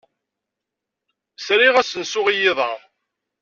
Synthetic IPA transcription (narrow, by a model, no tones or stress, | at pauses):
sɾiʁæsənsʊʁijiðˤɑ